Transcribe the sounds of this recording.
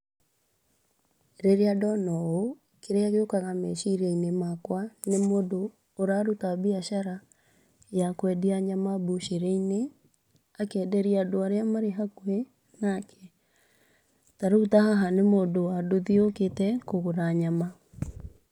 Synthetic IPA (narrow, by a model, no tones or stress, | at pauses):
ɾeɾeadɔnɔo | keɾeaɣeokaɣamɛʃiɾeinemakwanemodoː | ɾaɾutabiaʃaɾa | jakwɛdiaɲamabuʃeɾeine | akɛːdɛɾiadoaɾeamaɾeɦakwe | nakʰɛ | taɾutahaɦanemoːdowadoðioketɛkoɣoðaɲama